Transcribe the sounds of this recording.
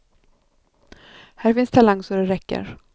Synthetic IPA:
hæːɾfɪnst̪ʰalaŋːsɔɖɛɾɛkːə̰ɾ

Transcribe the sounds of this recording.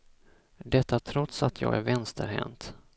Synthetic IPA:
d̪ɛt̪ːat̪ʰɾɔt̪sat̪ʰjɑ̰ːɡæɾvɛnst̪əɾɦɛ̰mt̪

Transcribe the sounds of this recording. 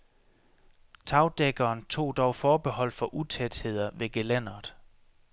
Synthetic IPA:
t͡sʰɑ̈ʊd̥eɡ̥ɐːnt͡sʰo̝̰ːd̥ɒʊfɒːb̥e̝ɦɒ̽l̰fɒ̽ʔut͡sʰed̥he̝ð̞̰ˠɐʋe̝ɡ̥elæn̰ɐð̩ˠ

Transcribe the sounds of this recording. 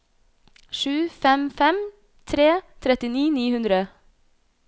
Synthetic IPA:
ʃʉːfɛmfɛm | t̪ʰɾeːt̪ʰɾɛt̪ɪniːniːhʉnd̪ɾə

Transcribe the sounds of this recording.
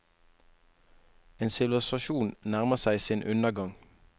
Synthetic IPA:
eːnsɪʋl̩ɪsɑʃuːnnæʁməsæɪsiːnʔʉnəɡɑŋ

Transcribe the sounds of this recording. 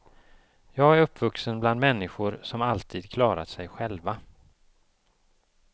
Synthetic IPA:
jɑːɡæɾɵpːvɵksənbland̪mɛnːɪɧʊɾsɔmalt̪ʰiːd̪kʰlɑːɾa̰t̪sɛjɧɛlva

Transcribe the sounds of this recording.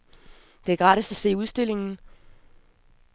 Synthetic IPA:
d̥e̝æɐɡ̥ʁɑ̈ːɾisæse̝̰ːuð̞ˠsd̥e̝l̰e̝ŋn̩

